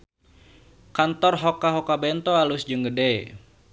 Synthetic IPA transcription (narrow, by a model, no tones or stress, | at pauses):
kant̪ɔrɦɔkaɦokabɛnt̪ɔalusd͡ʒəŋɡədɛ